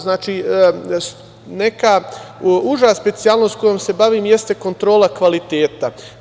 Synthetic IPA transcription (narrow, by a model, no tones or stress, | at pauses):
znaːt͡ʃis | ne̞ka | uʒaːspe̞t̪sialno̞sko̞jomse̞baʋiːmje̞st̪eko̞nt̪ɾo̞ːlakʋalit̪eːt̪a